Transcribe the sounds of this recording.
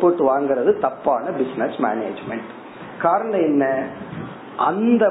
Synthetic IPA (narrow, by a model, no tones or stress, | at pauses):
pːoːʈːɯʋaːŋɡɪɾɐðɯt̪ɐpːaːnɐbɪsnɐsma̰ːneːd͡ʒmɛɳʈ | kaːɾɐɳɐ̃ɛnːɐ | ʔɐnd̪ɐ